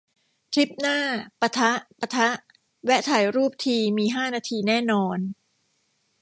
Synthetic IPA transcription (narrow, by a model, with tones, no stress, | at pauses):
t̪ʰɾi˦˥p̚naː˥˩pa˧t̪ʰa˦˥ʔpa˧t̪ʰa˦˥ʔ | wɛ˦˥ʔt̪ʰa˨˩˦jɾuː˥˩p̚t̪ʰiː˧miː˧ɦaː˥˩naː˧t̪ʰiː˧nɛː˥˩nɔː˧n